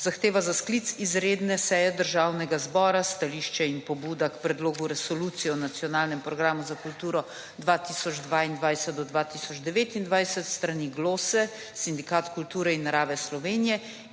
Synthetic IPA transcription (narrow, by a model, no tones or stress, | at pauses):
zaxt̪eːʋazasklit̪sizɾeːd̪nɛsɛjɛd̪əɾʒaːwnɛɡazbɔːɾast̪aliːʃt͡ʃɛinpɔbuːd̪akpɾɛd̪loːɡuɾɛsɔlut̪sijɔnat̪sjɔnaːlnɛmpɾɔɡɾaːmuzakult̪uːɾɔ | d̪ʋaːt̪isɔd͡ʒd̪ʋaːind̪ʋajsɛt̪̚d̪ɔd̪ʋat̪isɔd͡ʒd̪ɛʋeːt̪ind̪ʋajsɛt̪st̪ɾaniɡloːsɛ | sind̪ikaːt̪kult̪uːɾɛinːaɾaːʋɛslɔʋeːnijɛ